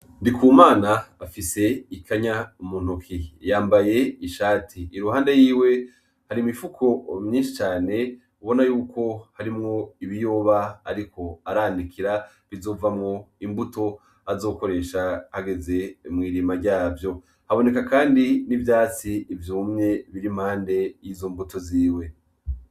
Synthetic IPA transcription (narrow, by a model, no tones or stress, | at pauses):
ndikuːmaːnaːfise̞ikʰaɲaumun̥ukʰijaːmbaje̞iʃaːtʰiːɾuhaːndejiːwe̞ | haɾimifukʰo̞mɲiːnʃit͡ʃaːne̞ | uβo̞najuːkʰo̞haɾimŋo̞iβijoːβaːɾikʰo̞aɾaːndikʰiɾa | βizo̞ːvamŋo̞imbuto̞ | azo̞ːko̞ɾe̞ʃahaɡe̞ze̞mŋiːɾimaɾɟaːvjo̞ | haβo̞ne̞kakaːndinivjaːt͡siːvjuːmɲe̞βiɾimhaːnde̞jizo̞mbuto̞ziːwe̞